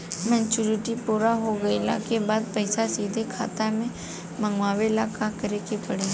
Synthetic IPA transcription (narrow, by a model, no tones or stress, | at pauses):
mɛ̃ːnt͡ʃuːɾɪʈipuːɾaɦoɡɐila̰kebaːd̪̚pəɪsasiːd̪ʱekʰa̰ːt̪amẽ | mə̃ŋɡʋaːʋelaːkakɐɾekepəɽe